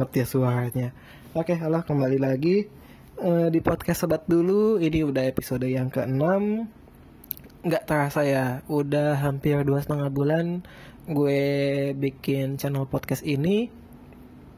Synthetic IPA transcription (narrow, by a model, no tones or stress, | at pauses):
ət̪ijasuarɲa | okealahkəmbalilaɡi | ədipɔt̪̚kɛsəbat̪̚duluiniudaɦepisodəjaŋkəənam | ŋɡaʔt̪əɾasajaudaɦampɪrduasət̪əŋabulan | ɡuebikɪnt͡ʃɛnəlpɔt̪̚kɛsini